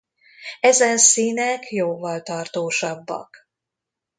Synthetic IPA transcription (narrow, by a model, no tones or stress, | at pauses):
ɛzɛnsiːnɛkjoːvːɒlt̪ɒrt̪oːʃɒbːɒ̰k